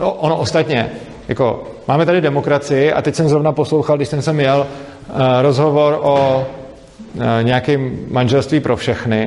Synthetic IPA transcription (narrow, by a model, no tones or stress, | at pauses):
noʔonoʔost̪at̪ɲɛ | ja̰ko̞̰ | maːmɛt̪adɪdɛmo̞kɾat͡sɪjɪʔa̰t̪ɛcsɛmzɾo̞vnapo̞slo̞wxalɡdɪʃsɛmsɛmjɛl | ɾo̞zɦo̞vo̞ɾʔo | ɲɛjakɪːmːanʒɛlst̪viːpɾʔofʃɛxnɪ